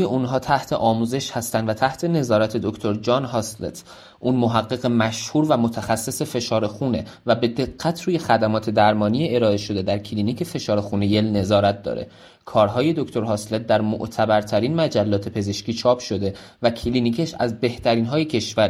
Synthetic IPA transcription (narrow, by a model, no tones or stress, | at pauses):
jeunɦɒːt̪ʰæht̪ʰeʔɒːmuze̞ʃhæst̪ænd̪væt̪ʰæht̪ʰe̞ne̞zɒːɾæt̪ʰe̞d̪okʰt̪ʰo̞ɾd͡ʒɒːnɦɒslḛt̪ʰ | ʔuːnmoɦæɡːe̞ɣemæʃhuːɾvæmot̪ʰæxæsːe̞se̞fe̞ʃɒːɾe̞xune̞ | væbe̞d̪e̞ɡːæt̪ʰɾuːje̞xæd̪æmɒːt̪ʰe̞d̪æɾmɒːnijeeɾɒːe̞ʃo̞d̪e̞d̪æɾcʰlinicʰefe̞ʃɒːɾe̞xune̞jelne̞zɒːɾæt̪̚d̪ɒ̰ːɾḛ | kʰɒːɾɦɒːje̞d̪o̞kt̪ʰo̞ɾɦɒslet̪̚d̪æɾmo̰ʔt̪ʰæbæɾt̪ʰæɾiːnmæd͡ʒælːɒːt̪ʰe̞pʰe̞ze̞ʃciːt͡ʃʰɒːpʰʃo̞d̪e̞ | væcʰliːniːcʰeʃæ̰zbe̞ht̪ʰæɾiːnɦɒːjecʰeʃvæɾ